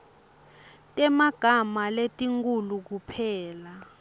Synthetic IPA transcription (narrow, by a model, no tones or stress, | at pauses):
tʼɛmaɡ̥ʱamaletʼiŋkʼuluk̬upʰɛːla